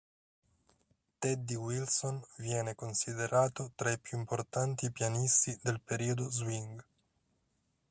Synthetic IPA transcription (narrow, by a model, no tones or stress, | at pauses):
t̪ɛd̪ːiwilsonvjɛːnekonsid̪eɾʔaːt̪ot̪ɾaipjuimport̪ant̪ipjanist̪id̪elpeɾiːod̪ozwiŋɡ